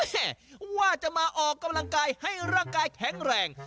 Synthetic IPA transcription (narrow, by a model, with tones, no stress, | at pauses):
ɛ˥˩waː˥˩t͡ɕa˨˩ʔmaː˧ʔɔː˨˩kːa˧mla˧ŋkaː˧jha˥˩jɾaː˥˩ŋkaː˧jkʰɛ˨˩˦ŋɾɛː˨˩ŋ